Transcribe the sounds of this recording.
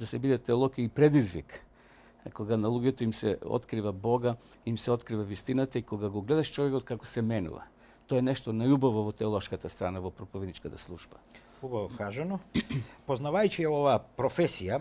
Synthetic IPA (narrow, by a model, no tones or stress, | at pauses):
d̪asɛbid̪ɛt̪ɛolˠɔkiipɾɛd̪izvḭk | koɡanalˠuɡɛt̪oimsɛɔ̰t̪kɾivabɔɡa | imsɛɔt̪kɾivavist̪inat̪aikoɡaɡoɡlɛd̪aʃt͡ʃɔvɛkɔt̪̚kakosɛmɛnṵva̰ | t̪ɔɛnɛʃt̪onajubavovɔt̪ɛolˠɔʃkat̪ast̪ɾanavɔpɾopovid̪it͡ʃkat̪aslˠuʒba | ubavɔkaʒanɔpoznavajt͡ʃiɛovaːpɾɔfɛsija